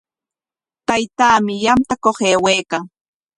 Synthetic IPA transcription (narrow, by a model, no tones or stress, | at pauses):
t̪ajt̪aːmɪjamt̪akoχeːwejkaŋ